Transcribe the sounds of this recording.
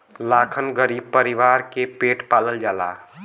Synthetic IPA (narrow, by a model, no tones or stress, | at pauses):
laːkʰənɡəɾiːb̚pəɾiʋaːɾkepeːʈpaːləld͡ʒaːla̰ː